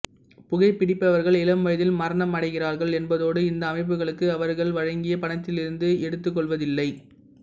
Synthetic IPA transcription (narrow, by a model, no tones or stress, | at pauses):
pʊɣɐɪpːɪɽɪpːɐʋɐɾɣɐɭɪlɐmʋɐjðɪlmɐɾɐɳɐmɐɽɐɪɣɪraːɾɣɐɭɛnbɐðoːɽɯɪnd̪ɐːmɐɪp̬ːɯɣɐɭɯkːɯɐʋɐɾɣɐɭʋɐɻɐŋɡɪjɐpɐɳɐt̪ːɪlɪɾɯnd̪ɯɛɽɯt̪ːɯk̬ːɔɭʋɐðɪlːɐɪ